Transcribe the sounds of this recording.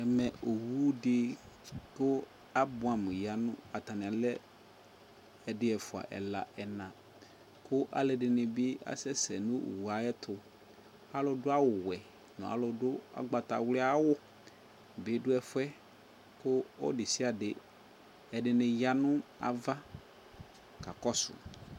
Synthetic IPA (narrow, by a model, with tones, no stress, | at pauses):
ɛ˨mɛ˨ʔo˨wu˦dɪ˦ | kʊ˦ | a˦bʊ̃˨a˨m˨ja˨nʊ̰̃˦a˨t̪a˨nɪ̃˨a˨lɛ˦ | ɛ˨dɪ˦ɛ˨fʊ˨a̰˨ʔɛ̰˨la̰˨ɛ˨nã˨ | kʊ˦ʔa̰˨lɪ˨dɪ˨nɪ˨bɪ˦a̰˨sɛ˦sɛ˨nʊ̃˦˨wu˨a˨˦ɛ˦t̪ʰʊ˨ | a˨˦lʊ˨dʊ˦a˦wʊ˨wɛ˨ | nʊ̰̃˨a̰˨lʊ˨dʊ˦a̰˨ɡ͡ba˨ta̰˨wlɪ˦a˦wʊ˦ | bɪ˨˦dʊ˦ɛ˨fʊ˦ɛ˦ | kʊ˦ɔ̰˦dɪ˨si˦a˨dɪ˨ | ɛ˨dɪ˨nɪ̃˨ja˦nʊ̃˦a̰˨va˦ | ka˨kɔ˦sʊ̰˨